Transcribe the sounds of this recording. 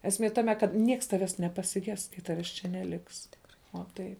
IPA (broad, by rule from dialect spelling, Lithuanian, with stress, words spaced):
ɛsʲˈmʲiɛ ˈtɑːmʲɛ kɐt ˈnʲiɛks ˈtɑːʋʲɛs nʲɛpɐsʲɪˈɡʲɛs kɐɪ ˈtɑːʋʲɛs t͡ʃʲɛ nʲɛˈlʲɪks tʲɪkˈrɐɪ oː ˈtɐɪ